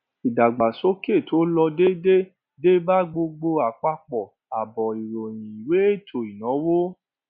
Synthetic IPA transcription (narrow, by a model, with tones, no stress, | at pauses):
i˨da˨ɡ͡ba˨so˦ke˦˨tʰo˨˦lɔ˧de˦de˦ | de˦ba˦ɡ͡bo˧ɡ͡bo˧a˨k͡pa˧k͡pɔ˨ | a˨bɔ˨i˨ɾo˨j̃ĩ˨i˨we˨˦e˦˨tʰo˨i˨nɔ̃˨˦wo˦